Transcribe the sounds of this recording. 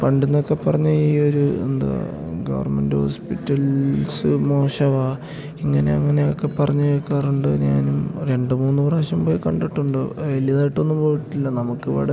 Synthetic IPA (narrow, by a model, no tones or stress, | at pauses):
pɐɳɖinːo̞kːe̞pːɐrɐɲːuiːoɾuḛnd̪ɐ̰ɡɐ̰ʋɐ̰rme̞̰ndɨho̰ːspitːɐlsɨmo̞ːɕɐʋaː | iŋːɐne̞̰ɐ̰ŋːɐne̞okːe̞pɐrɐɲːuokːaːruɳɖɨɲaːnumɾe̞ɳɖɨmuːnːupɐraːɕɐmboːjikɐɳɖiʈːuɳɖɨʋelijɐðaːjiʈːo̞nːumbo̞ːʋiʈːilːɐnɐmukːɨʋɐ̰ɽe